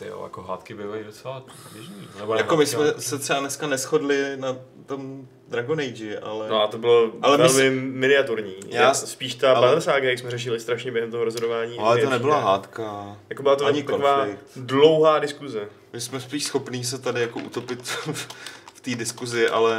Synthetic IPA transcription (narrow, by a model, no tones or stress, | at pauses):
t̪jo̰ja̰koɦa̰ːt̪kɪbɪːvajidot͡sɛlabjɛʒniːnnɛbojakomɪsmɛsɛt̪r̥ɛbanɛskanɛsxo̞dlɪna | t̪o̞m | d̪ɾaɡonejd͡ʒɪʔa̰lɛnoat̪obɪloalɛvɛlmɪmɪnɪat̪uɾɲiːjaaspiːʃt̪apaɛɾsaːɡajaksmɛɾɛʃ̬ɪlɪst̪ɾaʃɲɛbjɛɦɛmt̪oɦoɾozɦodovaːɲiːlɛt̪onɛbɪlaɦaːt̪kajakobɪlat̪oɲɪk̪akovaːlɪk̪dlowɦaːdɪskuzɛ | mɪsmɛspiːʃsxo̞pniːs̬ɛt̪adɪjakoʔṵt̪o̞pɪt̪ | ft̪iːdɪskuzɪʔa̰lɛ